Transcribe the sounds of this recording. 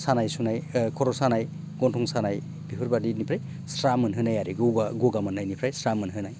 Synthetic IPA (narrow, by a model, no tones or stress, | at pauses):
sanajsunajkʰɔɾɔsanaj | ɡɔntʰɔŋsanaj | bipʰɯɾbadinipʰɾaj | sɾamɯnɦɯnajaɾiɡɯɡaɡɔɡamɯnːajnipʰɾajsɾamɯnɦɯnaj